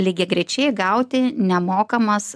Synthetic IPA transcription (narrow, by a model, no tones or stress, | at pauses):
lʲiːɡʲɛɡɾʲɛt͡ʃʲɛɪɡɐʊt̪ʲɪnʲɛmoːkɐmɐs